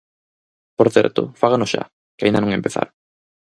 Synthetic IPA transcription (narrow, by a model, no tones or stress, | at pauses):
poɾθɛ̰ɾt̪ʊ̰faɣanʊʃa̰ | kɪaĩnd̪anõŋempeθa̰ɾ